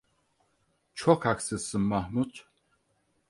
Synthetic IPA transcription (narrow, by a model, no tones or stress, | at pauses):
t͡ʃʰɔkʰaksɨsɨmːahmut̪ʰ